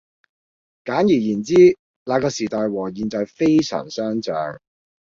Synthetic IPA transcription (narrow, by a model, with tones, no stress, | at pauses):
kaː˨˥njiː˨˩jiː˨˩nt͡siː˥ | laː˨˧kɔː˧siː˨˩t̪ɔː˨jwɔː˨˩jiː˨˧nt͡sɔː˨˧jfe˥jsœ̰ː˨˩ŋsœː˥ŋt͡sœ̰ː˨ŋ